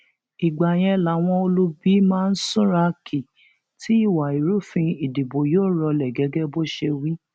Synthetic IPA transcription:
i˨ɡ͡ba˨j̃ɛ̃˧la˨˦w̃ɔ̃˧o˧lu˦bi˦mãː˦˧n̩˦sũ˦ɾa˧kʰi˨ | ti˨˦i˦˨wa˨i˨ɾu˦fĩ˧i˨di˨bo˨joː˦˨ɾɔ˧lɛ˨ɡɛ˨˦ɡɛ˦bo˦ʃe˧wi˦

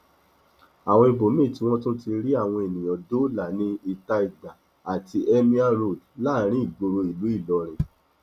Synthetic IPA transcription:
a˨w̃ɔ̃˧i˧bo˨˦mĩ˦˨ti˨˧w̃ɔ̃˦tũ˦ti˧ɾi˦a˦˨w̃ɔ̃˧e˨nĩ˨j̃ɔ̃˨do˦la˨˦nĩ˦i˦ta˧i˨da˨ | a˨ti˧ʔɛ˦mĩ˦a˦ɾo˦˨dla˦ɾ̃ĩ˦i˦˨ɡo˧ɾo˧i˨lu˨˦i˦˨lɔ˨˦ɾ̃ɛ̃˨

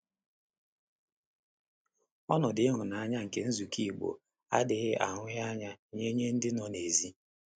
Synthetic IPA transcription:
ɔ˦nɔ˨dɪ˦ɦʊ˨na˨a˦ɲa˦ŋ̩˨ke˨n̩˦zu˨kʰi˦˨ɡ͡bo̰˨ | a̰˦dɪ˨ɣɪ˦ʔa̰˨ɦʊ˦ɣa˦ɲa˦ɲe˦ɲe˦n̩˦dɪ˦nɔ˨ne˨zi˦

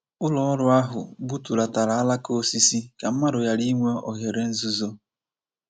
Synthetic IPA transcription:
ʊ˦lɔ˦ɔ˦ɾʊ˦a˦ɦʊ̰˨bu˦tu˨ɾa˨ta˨ɾa˨˦a˦la˦ko˦si˦si˦ka˨m̩˦ma˦ɾʊ˨ja˦li˦ŋʷe˦ɔ˨ɦe˨ɾe˦n̩˦zu˦zo˦

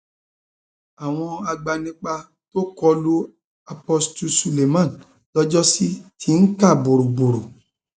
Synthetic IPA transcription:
a˨w̃ɔ̃˧a˧ɡ͡ba˧nĩ˧˦k͡pa˧ | to˦kɔ˧lu˦ | a˧pɔ˧stu˧su˧le˨mã˦˨ | lɔ˦d͡ʒɔ˦si˦tʰi˧n̩˦ka˦˨bo˨ɾu˨bo˨ɾu˨

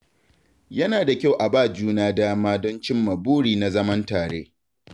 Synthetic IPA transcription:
jɐ˦naː˨da˨kʲa˦˨wʔa˨baː˦˨d͡ʒuː˦naː˦daː˦maː˦dɔ˦nt͡ʃɪ˦mːɐ˨buː˦ɽiː˨na˨zɐ˦mɐ˦ntaː˨ɽḛː˦

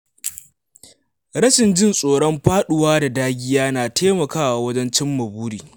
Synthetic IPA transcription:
ɾɐ˦ʃɪ˨nd͡ʒɪ˦nsʼoː˨ɽɔ˦mɸaː˦ɗʊ˨waː˦da˨daː˦ɡʲi˦jaː˦naː˨teː˦mɐ˨kaː˦wa˨wɐ˦d͡ʒɛ˦nt͡ʃɪ˦mːɐ˨buː˦ɽiː˨

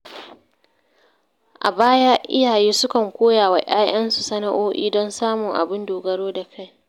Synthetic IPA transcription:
ʔa̰˨baː˦jaː˦ʔɪ̰˦jaː˨jeː˦sʊ˦kɐ˨ŋkʷoː˦jaː˨wa˨ʔaː˦ʔɐ˦nsu˨sɐ˦na˦ʔoː˦ʔḭː˦dɔ˦nsaː˦mʊ˨ŋʔa̰˨bɪ˦ndoː˨ɡɐ˦ɽoː˦da˨kʰa˦˨j

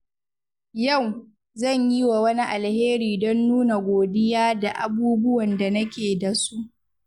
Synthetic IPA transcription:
jɐ˦˨w | zɐ˦˨ɲji˦wa˨wɐ˦ni˦ʔa˨lheː˦ɾiː˨dɔ˦nːuː˦na˨ɡʷoː˨dɪ˦jaː˦da˨ʔa̰˨buː˦bʊ˦wɐ˨nda˨nɐ˦kʲeː˨da˨su˦ʔ

